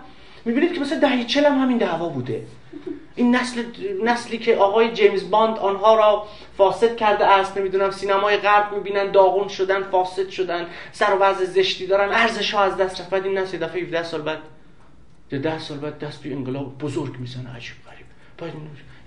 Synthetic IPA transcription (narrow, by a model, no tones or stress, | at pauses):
mibiːnid̪̥̚kʰemæsæd̪æhjet͡ʃʰelæmhæmind̪æːvɒːbuːd̪ḛ | ʔiːnːæslenæsliːcʰeʔɒːɣɒːjed͡ʒejmzbɒnd̪ɒːnɦɒːɾɒː | fɒːse̞t̪̚cʲʰæɾd̪eʔæst̪ne̞miːd̪uːnæmsiːnæmɒːjeɣæɾbmiːbiːnænd̪d̪ɒːɣunʃod̪ænfɒːse̞d̪ʃod̪ænsæɾovæzezeʃt̪iːd̪ɒːɾænæɾze̞ʃhɒːæzd̪æst̪ɾæfbæd̪iːnːæsljed̪æfejhefd̪æhsɒːlbæd̪̥ | jed̪æhsɒːlbæːd̪̚ːæst̪ʰojeeŋɡelɒːbbozoɾɡmiːzɒnæ̰d͡ʒiːb̥ʁæɾiːb̥ | b̥æd̪in